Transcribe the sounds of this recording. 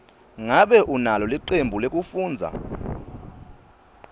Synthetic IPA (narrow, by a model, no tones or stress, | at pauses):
ŋaɓɛʔunalɔlwiǃembʱulek̬ʼufuːnd͡zʱa̰